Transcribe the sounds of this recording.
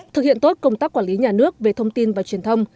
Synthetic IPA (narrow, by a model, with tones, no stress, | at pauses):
t̪ʰɨ˨˩hḭ˧˨ənt̪o˦˥t̚kə˧wŋ͡mt̪aː˦˥kːwaː˧˩li˨˦ɲaː˨˩nɨ˦˥ək̚ve˨˩t̪ʰə˧wŋ͡mt̪i˧nvaː˨˩t͡ɕwi˨˩ənt̪ʰə˧wŋ͡m